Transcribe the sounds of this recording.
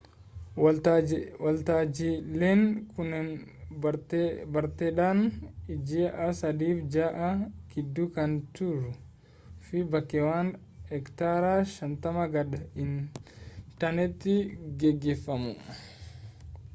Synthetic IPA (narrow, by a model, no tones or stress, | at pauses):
wɐlt̪aːd͡ʒileːŋkʊnɛn | bɐɾt̪ɛᶑaːnɪd͡ʒɪʔɐsɐd̪iːfd͡ʒaːʔɐkɪd̪ːʊkɐnt̪ʊɾʊ | fɪbɐkːɛwaːn | hɛkt̪aːɾaːʃɐnt̪ɐmɐɡɐɗɐɪn | t̪ɐnɛt̪ːɪɡɛɡːefːɐmʊ̰